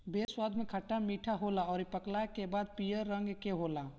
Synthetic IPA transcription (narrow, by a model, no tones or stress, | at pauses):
beːswaːd̪ʱmẽkʰəʈːamiːʈʰaɦolaɔːɾipəklakebaːd̪̚pijəɾːə̃ŋɡkeɦola